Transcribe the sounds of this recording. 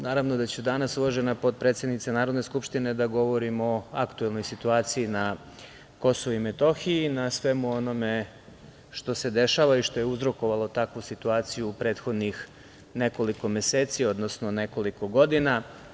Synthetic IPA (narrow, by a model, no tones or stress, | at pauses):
naːɾaʋno̞d̪at͡ɕud̪anasuloʒe̞napo̞t̪̚pɾet̪sje̞d̪nit̪senaːɾo̞d̪ne̞skupʃt̪ine̞d̪aɡo̞ʋo̞ɾimo̞akt̪ue̞lˠno̞jsit̪uaːt̪sijina | ko̞soʋoimet̪o̞xiinasʋe̞muo̞no̞me̞ | ʃt̪o̞se̞d̪e̞ʃaːʋaiʃt̪o̞jeuzɾo̞ko̞ʋalˠo̞t̪akʋusit̪uaːt̪sijuːpɾe̞ːt̪xo̞d̪nix | ne̞ko̞liko̞mjeseːt̪sio̞d̪no̞sno̞ne̞ko̞liko̞ɡo̞d̪ina